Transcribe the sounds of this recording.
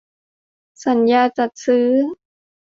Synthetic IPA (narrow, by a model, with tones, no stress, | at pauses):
sa˨˩˦njaː˧t͡ɕa˨˩t̪̚sɯː˦˥